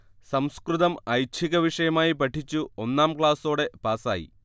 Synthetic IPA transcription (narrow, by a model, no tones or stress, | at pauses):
sɐmskrɨðɐmɐjt͡ɕʰiɣɐʋiʂɐjɐmaːjipɐʈʰːit͡ɕːuo̞nːaːmkɭaːso̞ːɽe̞paːsa̰ːjḭ